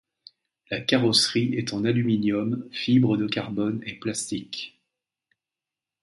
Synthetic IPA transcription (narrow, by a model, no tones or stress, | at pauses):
lakaʁɔsχiɛt̪ɑ̃nalyminjɔmfibʁəd̪əkaʁbɔneplast̪ik